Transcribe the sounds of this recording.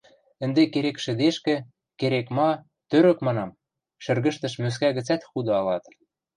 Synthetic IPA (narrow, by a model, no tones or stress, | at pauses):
ə̆nd̪ekeɾekʃɘ̆d̪eʃkĕ | keɾekmɑ | t̪øɾə̆kmɑnɑm | ʃɘ̆rɣə̆ʃt̪ə̆ʃmøs̬kæɣɘ̆t͡sæt̪xud̪ɤ̆ɑlɑt̪